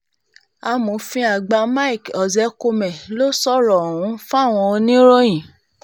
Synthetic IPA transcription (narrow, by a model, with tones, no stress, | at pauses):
a˧mo˨˦fĩ˧˦a˨ɡ͡ba˧ma˦i˨kɔ˨zɛ˨˦ko˧mɛ̃˨lo˦sɔ˦˨ɾɔ˨hũ˨˦fũ˦a˦˨w̃ɔ̃˧o˧nĩ˦ɾo˦j̃ĩ˨